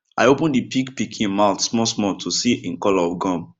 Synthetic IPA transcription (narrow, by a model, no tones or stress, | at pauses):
a̰ɪopə̃ndipikpikʰĩnmaʊtsmɔsmɔtʰusiĩnkɔlaɔvɡɔ̃m